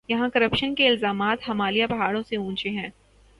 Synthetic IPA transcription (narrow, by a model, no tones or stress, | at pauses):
jɐɦãkɐɾəpʃənkeɪlzaːmaːt̪ɦɐmaːlijapɐɦaːɽõseũːt͡ʃeɦɛ̃ː